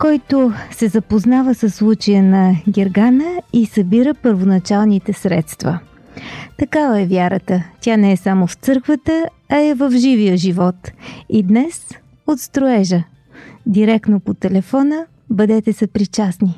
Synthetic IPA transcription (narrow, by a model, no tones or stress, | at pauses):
kɔjt̪osɛzɐpoznavəsəsːlˠut͡ʃəjənɐɡʲɛɾɡanəisɐbiɾəpəɾvonɐt͡ʃalˠnit̪ɛsɾɛt̪st̪və | t̪ɐkavəɛvjaɾət̪ət̪ʲjanɛɛsamoft̪sɤɾkvət̪ə | ɐɛvəfʒivijəʒivɔt̪id̪nɛs | ot̪st̪ɾoɛʒə | d̪iɾɛk̪nopot̪ɛlɛfɔnə | bəd̪ɛt̪ɛsɛpɾit͡ʃasni